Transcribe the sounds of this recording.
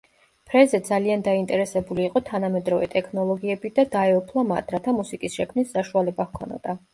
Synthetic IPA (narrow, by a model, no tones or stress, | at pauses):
pʰɾɛzɛd̪zaliand̪aint̪ʼɛɾɛsɛbuliːqʼɔt̪ʰanamɛd̪ɾɔvɛ̰t̪ʼɛkʰnɔlˠɔɡiɛbid̪ad̪aɛɔpʰlˠama̰d̪ɾat̪ʰamusikʼisʃɛkʰmnisːaʃualɛbahkʰɔ̰na̰d̪̥a